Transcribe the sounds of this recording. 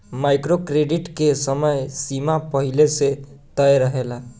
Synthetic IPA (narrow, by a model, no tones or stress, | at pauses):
majkɾokɾeɖiʈkesəməjsimapəɦileset̪əjɾəɦela